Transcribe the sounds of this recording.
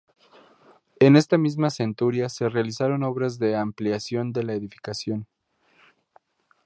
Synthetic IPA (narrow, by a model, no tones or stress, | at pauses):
e̞ne̞st̪amizmase̞nt̪uɾjase̞realisaɾo̞no̞βɾazðe̞ampljasjo̞nd̪e̞laeðifi̥kasjo̞n